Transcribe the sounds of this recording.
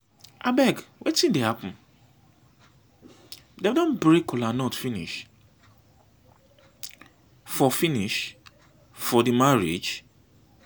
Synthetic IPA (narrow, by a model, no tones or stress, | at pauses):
abɛɡwʔetĩndehapʊ̃n | dedɔ̃nbɹekɔlanɔtfĩniʃ | fɔfiniʃ | fɔdimaɹḛd͡ʒ